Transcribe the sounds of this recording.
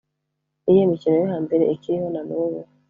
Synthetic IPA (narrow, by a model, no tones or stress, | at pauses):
ijemiciɾejihaːmbe̞ɾeikiɾiho̞nanuβu